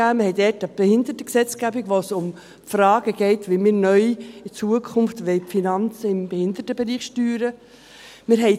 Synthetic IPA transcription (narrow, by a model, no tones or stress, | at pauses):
æːməhɛɪdɛtɑb̥ehɪnd̪ətəksɛt͡sɡæbiɡʋosʊm | fɾɑːɡəɡ̥ɛɪtʋɪlmiːɾnœʏɪt͡suəkʰʊnftʋɛɪpfinɑnt͡səɪmbehɪnd̪ətəbeɾiːχʃtyːɾə | mɪɾɦɛɪ